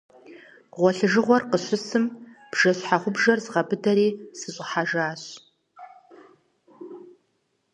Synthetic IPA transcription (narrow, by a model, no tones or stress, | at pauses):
ʁʷɔɬɨʒɨʁʷɔrqəɕʷʊsɨmb̥ʒ̥ɐɕħaʁʷʊbʒɐrzʁɐbɨdɐɾiːsɨɕʼɪħaʒaːɕ